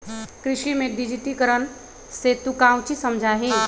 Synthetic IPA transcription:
kɾɪʃimẽɖid͡ʒiʈikəɾən | set̪ukãw̃t͡ʃisɐmd͡ʒʱaɦẽ

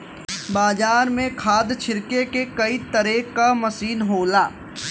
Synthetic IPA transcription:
baːd͡ʒaːɾmẽkʰaːd̪t͡ʃʰɪɾkekekɐit̪ɐɾeːkamɐsiːnɦoːlaː

